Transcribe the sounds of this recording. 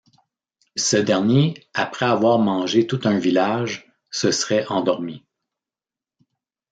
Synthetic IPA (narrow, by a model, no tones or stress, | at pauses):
səd̪ɛʁnjeapʁɛavwaːʁmɑ̃ːʒet̪ut̪œ̃vilaʒ | səsʁɛʔɑ̃d̪ɔʁmi